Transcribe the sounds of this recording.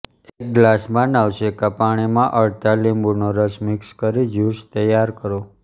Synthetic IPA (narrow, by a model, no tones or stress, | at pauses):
ek̚ɡlasmãnaʋʃekapaɽ̃imãʔəɭt̪alimbunoɾəsmɪkskəɾid͡ʒust̪əjaɾkəɾo